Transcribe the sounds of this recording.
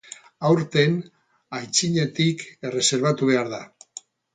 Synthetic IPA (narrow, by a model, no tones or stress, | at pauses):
awɾt̪e̞n | ajt͡siɲe̞t̪ike̞re̞se̞ɾβ̞at̪uβ̞e̞aɾða